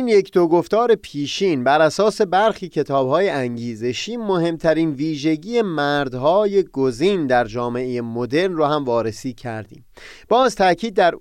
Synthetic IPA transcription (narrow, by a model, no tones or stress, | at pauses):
iːnjecʰd̪oɡo̞ft̪ɒːɾe̞pʰiːʃiːnbæɾæsɒːse̞bæɾxiːcʰe̞t̪ʰɒːb̥hɒːje̞ʔæŋɟiːze̞ʃiːmo̞he̞mt̪ʰæɾiːnviːʒe̞ɟiːemæɾd̪hɒːje̞ɡoziːnd̪æɾd͡ʒɒːme̞ʔejemo̞d̪e̞ɾnrohæmvɒːɾe̞siːcʰæ̰ɾd̪ḭːmb̥ɒːzt̪ʰæcʰiːd̪ːæɾ